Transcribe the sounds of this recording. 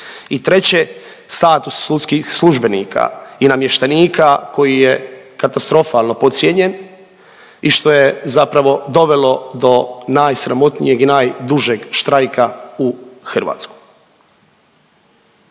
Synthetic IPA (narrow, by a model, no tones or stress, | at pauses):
it̪ɾe̞t͡ɕe | st̪aːt̪usːut̪skixslˠuʒbe̞niːkʰa̰inamje̞ʃt̪aniːkako̞jijekat̪ast̪ɾo̞falˠno̞po̞t̪sjeɲe̞n | iʃt̪o̞jezapɾaʋo̞d̪o̞ʋe̞lo̞d̪o̞naːjsɾamo̞t̪nijeɡinaːjd̪uʒeɡʃt̪ɾajkauxr̩ʋa̰ːt̪sku̥j